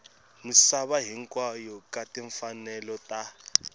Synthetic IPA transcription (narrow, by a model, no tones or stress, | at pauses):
musaβaɦiŋkwajɔkatiɱfanɛlɔta